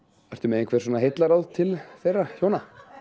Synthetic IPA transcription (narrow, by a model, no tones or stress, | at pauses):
art̪ʏmɛðɪnkʰvɛːɾ̥s̬ɔːnaɦejt̪laɾawðt̪ʰɪlθejrːaçoːwna